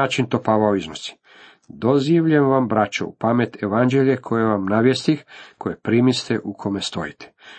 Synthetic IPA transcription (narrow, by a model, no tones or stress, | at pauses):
aːt͡ʃint̪o̞paːʋaoiznosi̥ | d̪o̞ziʋʎemʋambɾat͡ʃoṵpamet̪eʋand͡ʒeʎʲekʰo̞jeʋamnaːʋjest̪ixkʰo̞jepɾimist̪eʔukʰo̞me̞st̪o̞̰jit̪ʰe̥